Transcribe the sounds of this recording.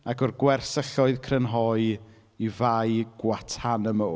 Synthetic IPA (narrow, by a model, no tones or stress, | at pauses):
aɡɔrɡwɛrsəɬɔɨðkʰrənɦɔɨ | ivajɡ̥watʰanəmoː